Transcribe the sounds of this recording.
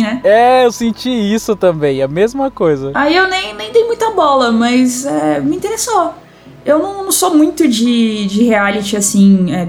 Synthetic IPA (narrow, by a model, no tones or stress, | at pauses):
nɛɛewsẽt͡ʃiisʊt̪ɐ̃bẽj̃ɐmezmɐkojzɐaiewnẽj̃nẽj̃d̪ejmũj̃t̪ɐbɔlɐmɐzɛmɪĩt̪eɾeso | ewnɐ̃w̃nɐ̃w̃somũj̃t̪ʊd͡ʒɪd͡ʒɪhealit͡ʃɪasĩɛ